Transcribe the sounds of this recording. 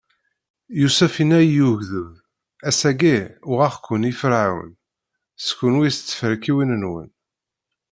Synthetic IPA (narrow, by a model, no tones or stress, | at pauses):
jusæfinæjuʝðəm | æsæɡiʊʁæχkʷːənifəɾʕawə̰n | skːənwist͡sːə̥fəɾkiwinənwə̰n